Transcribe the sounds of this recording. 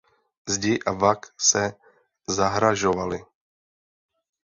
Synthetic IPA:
zɟɪʔavaksɛ | zaɦɾaʒovalɪ

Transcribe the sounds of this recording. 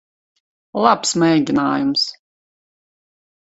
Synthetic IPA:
lˠapsmɛjɡʲinaːjums

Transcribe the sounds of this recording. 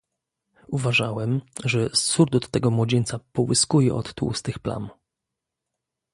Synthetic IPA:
uvaʐawɛmʐɛsuɾd̪ɔt̪ːɛɡɔmwɔd͡ʑent̪sapɔwɘskujɛ̰ɔ̰t̪ːṵst̪ɘxpla̰n

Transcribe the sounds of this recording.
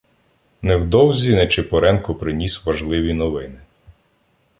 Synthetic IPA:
nɛwd̪ɔwzʲinɛt͡ʃɪpɔɾɛnkɔpɾɪnʲisʲʋɐʒlˠɪʋʲinɔʋɪnɪ

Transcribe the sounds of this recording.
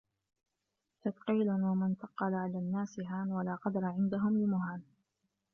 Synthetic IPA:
t̪ɑt̪qiːlʊwamant̪ɑqːɑlaʕalaːnːaːsɪɦaːnwalaːqɑd̪ɑɾˤɑʕɪnd̪aɦʊmlɪmʊɦaːn

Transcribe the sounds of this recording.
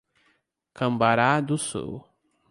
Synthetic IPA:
kɐ̃mbaɾad̪ʊsṵw

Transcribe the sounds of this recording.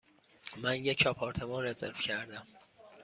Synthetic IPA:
mænjecʰɒpʰɒːɾt̪ʰe̞mɒːnɾezḛɾfcʰæɾd̪æm

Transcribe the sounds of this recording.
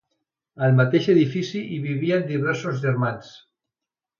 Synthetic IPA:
əlmat̪eʃeðifisiʔiβiβiand̪iβ̞ɛɾsozʒeɾmans

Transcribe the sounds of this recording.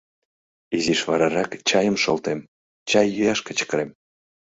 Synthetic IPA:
iziʃβɑɾɑɾɑkt͡ɕɑjəmʃolt̪em | t͡ɕɑjːyjɑʃkə̆t͡ɕə̥kɾem

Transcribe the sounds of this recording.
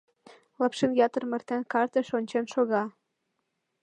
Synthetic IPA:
lɑpʃenjɑt̪ɤ̆rmĕrt̪ænkɑrt̪ə̆ʃonʲt͡ɕenʃoɣɑ

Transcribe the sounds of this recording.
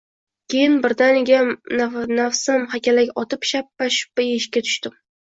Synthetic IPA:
kʲʰe̞jɪnbɪɾd̪anɪɡʲa | nafsɪmhakʲʰalakʲɒt̪ʰɪpʃapːaʃʊ̥pːajeʃkʲat̪ʰʊ̥ʃt̪ɪm

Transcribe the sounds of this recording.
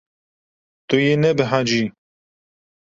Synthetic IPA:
t̪ujenɛbɨɦãd͡ʒi

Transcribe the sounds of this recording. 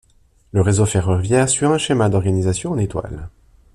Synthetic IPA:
ləʁezofɛʁœʁvjɛʁsyʁɛ̃ʃemad̪ɔʁɡanizasjɔ̃ɑ̃net̪wa̰l

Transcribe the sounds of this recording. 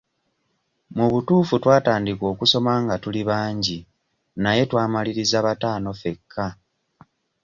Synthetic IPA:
muβutuːfutwaːtaːndiko̞ːkuso̞maŋɡatuliβaːɲɟi | naje̞twaːmaliɾizaβataːno̞fe̞kʰːa

